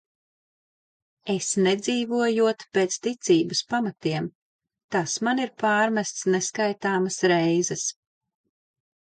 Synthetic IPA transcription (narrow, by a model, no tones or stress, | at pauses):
esnɛd̪ziːvuɔjuɔt̪peːt̪st̪it̪siːbɨspamat̪iɛm | t̪asmaniɾpaːɾmæst̪sneskajt̪aːməsɾɛjzɛs